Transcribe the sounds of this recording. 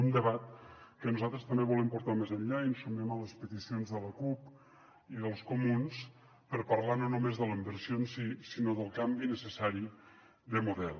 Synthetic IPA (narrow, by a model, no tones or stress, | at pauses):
und̪əβat̪̚kənuzalˠt̪ɾəst̪əmbeβulɛmpuɾt̪amezənʎainsumɛmələspət̪isionzðələkup | iðəlˠskumuns | pəɾpəɾlanonumezðələimbəɾsionsisinoðəlˠkambinəsəsaɾi | ðəmuðɛlˠ